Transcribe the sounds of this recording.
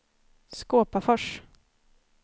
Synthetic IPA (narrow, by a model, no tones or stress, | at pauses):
skoːpafœʂ